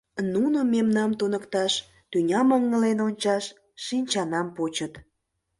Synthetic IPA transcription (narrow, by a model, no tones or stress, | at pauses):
nunomemnɑmt̪onəkt̪ɑʃ | t̪ynʲɑməŋːəlenonʲt͡ɕɑʃː | inʲt͡ɕɑnɑmpot͡ɕət̪